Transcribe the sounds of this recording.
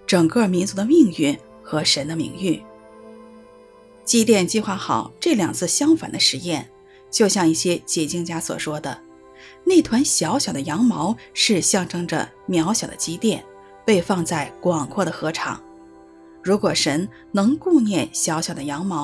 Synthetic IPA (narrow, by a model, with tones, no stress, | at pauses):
ʈ͡ʂɤ˨˩ŋkɤ˥˩mi˧˥nt͡su˧˥d̪ə˧mi˥˧ŋy˥˩ | xɤ˧˥ʂə˧˥nd̪ə˧mḭ˧˩ŋy˥˩ | t͡ɕi˥t̪̬jɛ˥˧nt͡ɕi˥˧xwa˥˩xɑ˨˩˦ʊʈ͡ʂɤ˥˩ljɑ˨˩ŋt͡sʰɹ̩˥˩ɕjɑ˥ŋfa̰˨˩nd̪ə˦ʂɻ̩˧˥jɛ˥˩n | t͡ɕjo˥˧ʊɕjɑ˥˧ŋi˥˩ɕjɛ˥t͡ɕjɛ˨˩t͡ɕi˥˩ŋt͡ɕja˥swɔ̰˨˩ʂwɔ˥d̪ə˨ | ne˥˩ɪt̪ʰwa˧˥nɕjɑ˧˥ʊɕjɑ˨˩ʊd̪ə˦jɑ˧˥ŋmɑ˧˥ʊʂɻ̩˥˧ɕjɑ˥˩ŋʈ͡ʂɤ˥ŋʈ͡ʂə̰˨ | mjɑ˧˥ʊɕjɑ˨˩ʊd̪ə̰˦t͡ɕi˥t̪jɛ˥˩n | pe˥˧ɪfɑ˥˧ŋt͡sa˥˩ɪkwɑ˨˩ŋkʰwɔ˥˩ɾə˩xɤ˧˥ʈ͡ʂʰɑ̰˨˩˦ŋ | ɻu˧˥kwɔ˨˩ʂə˧˥n | nɤ˧˥ŋku˥˧ŋnjɛ˥˩nɕjɑ˧˥ʊɕjɑ˨˩ʊd̪ə˦jɑ˧˥ŋmɑ˧˥ʊ